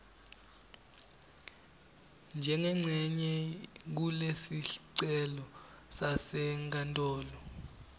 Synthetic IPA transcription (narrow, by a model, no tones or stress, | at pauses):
nd͡ʒʱɛŋɛŋ͡ǀʱɛɲɛk̬ulesiɬǀɛlɔ | sasɛŋk̬ʼantʼɔːlɔ